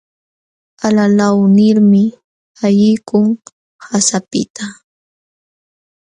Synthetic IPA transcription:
alalawnɪɾmɪ | ajɪjkʊŋ | hasapɪ̰t̪ʰa

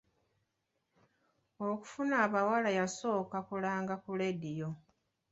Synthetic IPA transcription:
oku̥funaːβawalajaso̞ːkakulaːŋɡakuledijo

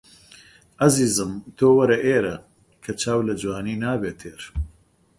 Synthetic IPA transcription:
ɐziːzɨmt̪ʰoːwɐɾɐʔeːɾɐ | kʰɐt͡ʃʰaːwlɐd͡ʒwaːniːnaːbeːt̪ʰeːɾ

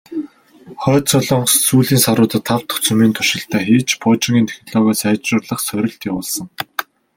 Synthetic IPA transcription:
χœːt̪t͡sœɮɞɔɴɢssuːɮiːnsaɾʊːt̪ə̆t̪ʰːaw̥t̪ʰɵ̥xt͡sɵmiːnt̪ʰʊʃɪ̆ɬt̪ʰæːxiːt͡ɕpʰɔt͡ɕĭŋɡiːnt̪ʰe̥xnɔɮɔɣʲaːsæːt͡ɕrʊːrɮə̆χsœɾʲɪ̆ɬt̪jawʊːɮsə̆ŋ

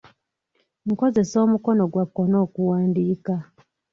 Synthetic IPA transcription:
ŋko̞ze̞so̞ːmuko̞noɡwakːo̞no̞ːkuwaːndiːka

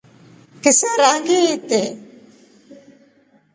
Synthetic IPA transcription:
kɪsaːɾaːŋɡiːit̪ːe

